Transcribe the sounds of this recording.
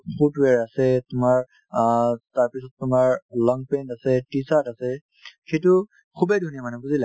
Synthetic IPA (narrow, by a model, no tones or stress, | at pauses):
pʰutwɛɹasɛtʊmaɹ | taɹpisɔtːʊmaɹlɔŋɡpentasɛtisatasɛ | xetu | kʰubedʱunijamanɛbuzilɛ